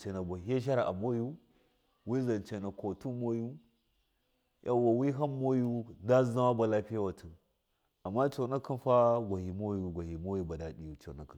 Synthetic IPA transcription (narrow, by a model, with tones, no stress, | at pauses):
t͡ʃe˨na˨bʷa˨ɦe˦ʃ̬a˦ɾa˨ʔa̰˨mo˦ju˦ | wi˦za˨nt͡ʃe˨na˨ko˨tu˦mo˦ju˦ | jʔa˨wa˨wi˦ɦa˦mo˦ju˦nda˦za˦wa˦ba˨la˦pi˦ja˦wa˨tʰə˨ | a˨mːa˦t͡ʃo˨na˦ki˦nfa˦ɡʷa˨hi˨mo˦ju˦ɡʷa˨hi˨mo˦ju˦ba˨da˨ɗi˦˨ju˨t͡ʃo̰˨na˦kə˨n